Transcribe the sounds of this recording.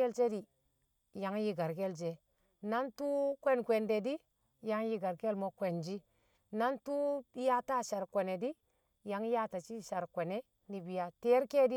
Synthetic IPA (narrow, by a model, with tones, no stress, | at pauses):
e˦lt͡ʃe˦di˨ | ja˨˦ŋji˦ɡa˨ɾke˦ld͡ʒe˨ | na˦ntu˦kʷe˦nkʷe˨nde˨di˦ | ja˦ŋji˨ɡa˨ɾke˦lmo˦kʷe˨nd͡ʒi˦ | na˦ntu˦ja˦ta˦ʃa˨ɾkʷe˨ne˨di˦ | ja˨˦ŋja˦ta˨t͡ʃi˦ʃa˨ɾkʷe˨ne˦ | ni˨bi˨ja˨te˦ɾke˦di˦